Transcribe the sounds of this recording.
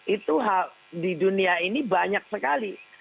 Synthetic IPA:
it̪uɦa | diduniainibaɲak̚səkali

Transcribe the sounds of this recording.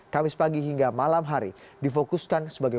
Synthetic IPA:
kamɪspaɡiɦiŋɡamalamɦaɾḭ | difokuskansəbaɡa

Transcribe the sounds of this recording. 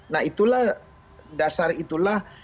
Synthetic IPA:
naɦit̪ulah | dasarit̪ulah

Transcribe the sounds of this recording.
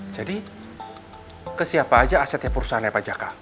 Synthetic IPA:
d͡ʒadi | kəsiapaːd͡ʒaːsɛt̪japursanajapad͡ʒaka

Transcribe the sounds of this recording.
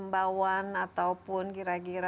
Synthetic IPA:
mbawanat̪awpʊnkiɾakiɾa

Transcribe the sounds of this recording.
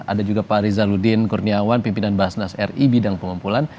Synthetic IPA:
a̰dad͡ʒuɡapaɾizaludinkurniawanpimpinanbaasnasɛribidaŋpəŋumpulan

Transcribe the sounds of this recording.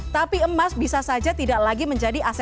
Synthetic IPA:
t̪apiəmasbisasad͡ʒat̪idaklaɡiməɲd͡ʒadiʔasɛ

